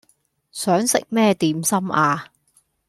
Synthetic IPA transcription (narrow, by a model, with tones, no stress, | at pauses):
sœː˨˥ŋsɪ̰˨k̚mɛː˥t̪iː˨˥msɐ˥maː˧